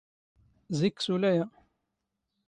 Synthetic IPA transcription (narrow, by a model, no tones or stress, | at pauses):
zikːsulæjæ